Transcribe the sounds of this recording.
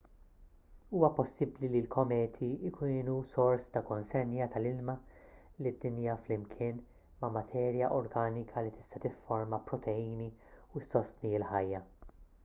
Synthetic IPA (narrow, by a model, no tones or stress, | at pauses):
uːwɐpɔsːɪblililkʰɔmɛːt̪ʰiɪkʰuːnusɔɾst̪ɐkɔnsɛnjɐt̪ʰɐlɪlmɐlid̪ːɪnijɐflɪmkʰɪːn | mɐmɐt̪ʰɛːɾjɐʔɔɾɡɐːnɪkʰɐlit̪ɪ̥st̪ɐt̪ɪfːɔɾmɐpɾɔt̪ʰɛiːniusːɔst̪niɪlħɐjːɐ